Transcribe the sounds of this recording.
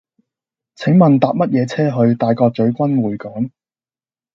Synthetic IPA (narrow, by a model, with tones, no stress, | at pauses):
t͡sʰɪ˨˥ŋmɐ˨nt̪aː˨p̚mɐ˥t̚jɛː˨˧t͡sʰɛː˥ɦɵ˧ɥt̪aː˨jkɔː˧k̚t͡ʃɵ˨˥ɥkʷɐ˥nwuː˨˩jkɔː˨˥ŋ